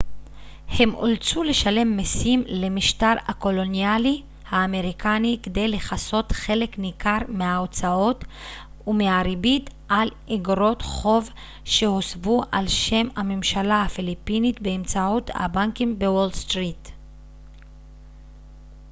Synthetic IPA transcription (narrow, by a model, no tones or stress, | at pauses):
he̞mʔo̰lt͡sule̞ʃale̞mːesimle̞miʃtaʁako̞lo̞njali | haːme̞ʁikʰaniked̪e̞jleχaso̞tχe̞le̞knikaʁmeaot͡sao̞t | umeaʁibitʔal | eɡʁo̞tχo̞v | ʃe̞hosvuʔalʃe̞mamemʃalahafilipinit̪beːmt͡sautha̰baŋkimbewolstʁit